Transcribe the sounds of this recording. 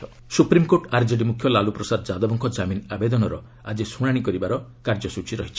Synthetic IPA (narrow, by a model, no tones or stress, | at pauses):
ɔ | supɾimkoʈaɾd͡ʒɔʈimukʰːjɔlalupɾɔsad̪d͡ʒad̪ɔbɔŋkʰɔd͡ʒaminabed̪ɔnɔɾɔ | ad͡ʒesuɽ̃aɽ̃ikɔɾibaɾɔkaɾd͡ʒɔsut͡ʃiɾɔɦit͡ʃʰi̥